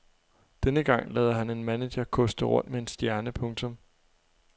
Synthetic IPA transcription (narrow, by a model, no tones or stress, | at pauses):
d̥enəɡ̥ɑ̈ŋ̰lɛːðˠɐɦæne̝nmæneɕɐkʰɔ̽sd̥əʁɔ̽n̰d̥mee̝nsd̥jæɐnəpʰɔ̽ŋt͡sʰɔ̽m